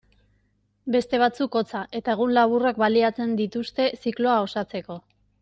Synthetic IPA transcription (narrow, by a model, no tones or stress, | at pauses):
be̞st̪e̞βat͡suko̞t͡saʔe̞t̪ae̞ɣ̞unlaβurakbaliat͡se̞nd̪it̪ust̪e̞siklo̞ao̞sat͡se̞ko̞